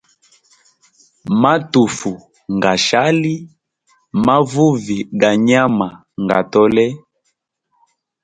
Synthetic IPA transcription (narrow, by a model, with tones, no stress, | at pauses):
ma˦tu˨fu˨ | ŋɡa˨ʃa˦li˦ | ma˦vu˦vi˨ɡa˨ɲa˦ma˨ | ŋɡa̰˨tɔ˦lɛ˦